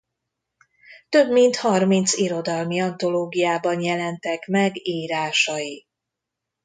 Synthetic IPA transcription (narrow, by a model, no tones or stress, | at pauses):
t̪ø̞bmint̪hɒrmint̪siɾo̞d̪ɒlmiɒnt̪o̞loːɡijaːbɒnjɛlɛnt̪ɛkmɛɡiːɾaːʃɒji